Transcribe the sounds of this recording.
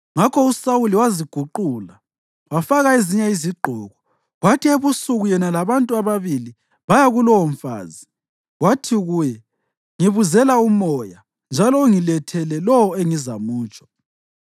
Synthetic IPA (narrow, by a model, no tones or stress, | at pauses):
ŋakʰɔusawuliwaziɡ̥ʱuǃuːla | wafaɣaeziɲaiziɡ͡ǃʱɔɣɔ | ɣwatʰieβusuɣujɛnalaβantʼuaβaβili | βajaɣulɔwɔɱfa̰ːzi | watʰiɣujɛ | ŋiβuzɛlaumɔja | nd͡ʒʱalɔuŋilɛtʰɛlɛlɔwɔeŋizamuːt͡ʃʼɔ̥